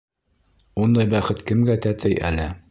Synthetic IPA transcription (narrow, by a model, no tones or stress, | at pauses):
und̪ɑjbæχɘt̪kɘ̆mɡæt̪æt̪ʰɘjʔæ̰lɘ